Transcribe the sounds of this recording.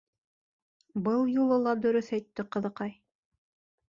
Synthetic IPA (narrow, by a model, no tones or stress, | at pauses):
bɤlˠjulˠɤ̆lˠɑd̪ɵ̆ɾɵθæjt̪ːɘqɤ̆ðɤ̆qɑj